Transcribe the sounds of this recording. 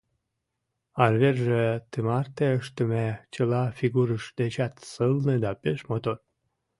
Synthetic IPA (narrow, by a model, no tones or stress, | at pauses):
ɑrverʒet̪emɑrt̪eəʃt̪əmet͡ɕəlɑfiɡuɾəʃd̪et͡ɕɑt̪səlned̪ɑpeʃmot̪or